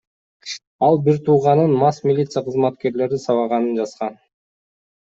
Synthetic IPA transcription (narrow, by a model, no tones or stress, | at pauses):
ɑlˠbiɾt̪ʰuːʁɑnɯnmɑsmʲɪlʲit̪sɨjaqʰɯzmɑt̪ke̞ɾle̞ɾisɑβɑʁɑnɯnd͡ʒɑsqɑn